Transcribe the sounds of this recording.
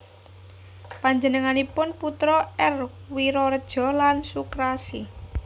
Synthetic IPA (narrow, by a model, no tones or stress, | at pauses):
paɲd͡ʒənəŋanipʊnput̪ɾɔɛrwiɾɔrd̥ʒ̥ɔ̤lansukɾasi